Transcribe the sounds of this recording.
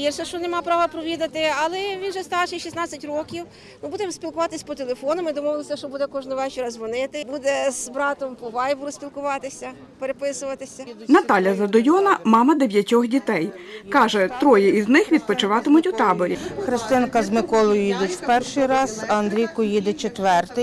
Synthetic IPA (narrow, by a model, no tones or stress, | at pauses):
irsɛʃt͡ʃɔnemɑpɾɑʋɐpɾɔʋʲid̪ɐt̪ɪɐlˠɛʋʲinʒɛst̪ɑrʃɪjʃisnɑt͡sʲɐtʲrɔkʲiw | nʊbud̪ɛmsʲpʲilˠkʊʋɑt̪ɪsʲpɔt̪elˠefɔnɔmɪd̪ɔmɔʋɪlˠɔsʲɐʃt͡ʃɔbud̪ɛkɔʒnɔʋɛt͡ʃʲiɾɑzʋɔnɪt̪ɪbud̪ɛz̥bɾɑt̪ɔmpɔʋɑjʋʊɾɔsʲpʲilˠkʊʋɑt̪ɪsʲɐ | peɾepɪsʊʋɐt̪ɪsʲɐnɐt̪ɑlʲɐzɐd̪ɔjɔnɐmɑmɐd̪eʋʲjɐtʲɔxdʲit̪ɛjkɑʒɛt̪ɾɔjɛiznɪxʋʲid̪̚pɔt͡ʃɪʋɑt̪ɪmʊtʲut̪ɑbɔɾʲikɾɐst̪ɪnkɐzmɪkɔlˠɔjʊjid̪ɪtʲw̥pɛrʃɪjɾɑzɐnd̪ɾʲijkʊjid̪ɪt͡ʃet̪ʋɛrt̪ɪj